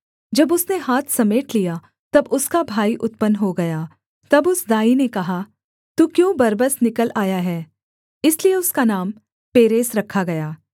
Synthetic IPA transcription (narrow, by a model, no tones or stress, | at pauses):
d͡ʒɐbʊsneɦaːt̪ʰsɐmeːʈlija | t̪ɐbʊskabʱaːiʔʊt̪̚pənɦoɡɐjaː | t̪ɐbʊsd̪aːinekɐɦa | t̪ukjõːbɐɾbəsnɪkəlaːjaɦɛː | ɪslieʊskanaːm | peːɾeːsɾɐkʰːaɡɐjaː